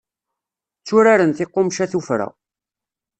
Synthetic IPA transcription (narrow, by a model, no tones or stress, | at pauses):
t͡sːʊɾaɾənθɪqːomʃæθufɾa̰